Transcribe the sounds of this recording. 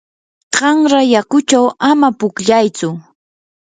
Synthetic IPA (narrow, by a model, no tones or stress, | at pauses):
ɢɑŋɾajakʊt͡ʃawamapʊkʎajt͡sʊ